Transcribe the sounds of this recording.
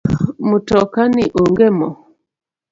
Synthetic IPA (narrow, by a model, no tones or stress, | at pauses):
mutɔkaniʔoŋɡɛmɔ